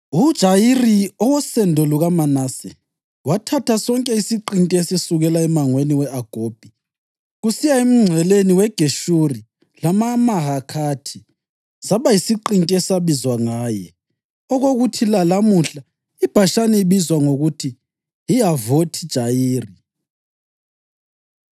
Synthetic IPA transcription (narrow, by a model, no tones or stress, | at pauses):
ud̥ʒ̥ʱajiriɔwɔsɛndʱɔluɣamanasɛ | watʰatʰasɔŋkʼɛisiǃintʼɛɛsesuɣɛlaɛmaŋweniwɛaɡ̥ʱoːb̥̚ʱi | ɣusijaim̩ŋ͡ǀʱɛleniwɛɡ̥ʱeʃuri | lamamaɦakʰatʰi | saβajisiǃintʼɛsaβizwaŋaːjɛ | ɔɣoɣutʰilalamuɬa | ib̥ʱaʃanɛiβizwaŋoɣutʰi | ijavotʰi̥d̥ʒ̥ʱajiːri